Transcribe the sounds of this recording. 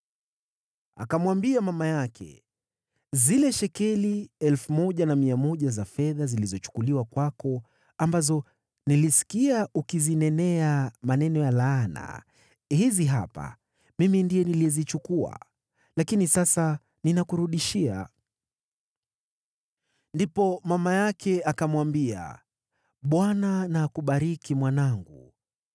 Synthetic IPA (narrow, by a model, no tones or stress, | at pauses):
a̰kamwambiamamajakʰɛ̰ | zilɛʃɛkɛliɛlfumɔʄanamiamɔʄazafɛðazilizɔt͡ʃu̥kuliwakwakɔ | ambazɔ | nilisi̥kiaukizinɛnɛamanɛnɔjalaːna̰ | hiziɦa̰pa̰ | mimindijɛniliɛzit͡ʃukua̰ | lakinisasa | ninakuɾuɗiʃia̰ | ndipɔmamajakʰɛakamwambia̰ | ɓwananaːkuɓaɾikimwanaŋɡu